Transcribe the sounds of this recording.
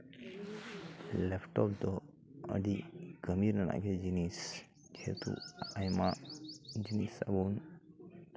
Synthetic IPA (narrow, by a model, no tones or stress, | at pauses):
lefʈɔpd̪ɔ | ə̰diɡəmiɾnəna̰ɡed͡ʒinis | d͡ʒet̪ṵajma | d͡ʒinisa̰bon